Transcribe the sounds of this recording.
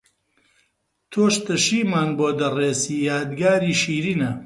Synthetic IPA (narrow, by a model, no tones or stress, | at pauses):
t̪ʰoːʃt̪ɐʃiːmaːnboːd̪ɐreːsiːjaːd̪ɡaːɾiːʃiːɾiːnɐ